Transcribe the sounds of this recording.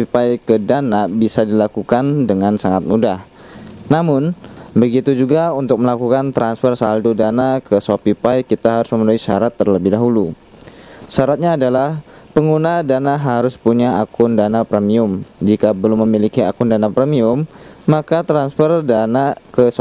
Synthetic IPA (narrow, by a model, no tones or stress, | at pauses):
ipajkədanabisadilakukandəŋansaŋat̪̚mudah | namʊnbəɡit̪ud͡ʒuɡaunt̪ʊk̚məlakukant̪ɾansfərsaldodanakəsopipajkit̪aɦaɾʊsməmənuisa̰ɾat̪ːərləbɪhdaɦulu | saɾat̪̚ɲaːdalahpəŋɡunadanaɦaɾʊspuɲaakʊndanapɾemiʊmd͡ʒikabəlʊmːəmilikiakʊndanapɾɛmiʊmːakat̪ɾansfərdanakəs